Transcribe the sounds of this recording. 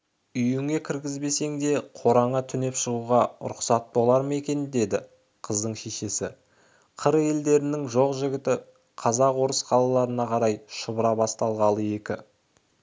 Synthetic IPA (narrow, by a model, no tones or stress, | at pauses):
ʏjɪŋe̞kʲʰɪɾɡʲɪzbe̞se̞ŋd̪e̞qʰo̞ɾɑɴɑt̪ʰʏne̞pʃəʁuʁɑ̰ɾʊqsɑt̪̚bo̞lˠɑɾme̞kʲe̞nd̪e̞d̪ɪ | qʰəzd̪əɴʃe̞ʃe̞sɪ̰ | qʰəɾe̞ld̪e̞ɾɪnɪŋʒo̞qʒɪɡʲɪt̪ɪ | qʰɑzɑqwo̞ɾəsqʰɑlˠɑlˠɑɾənɑqʰɑɾɑjʃʊbəɾɑbɑst̪ɑlˠʁɑlˠəe̞kʲɪ̰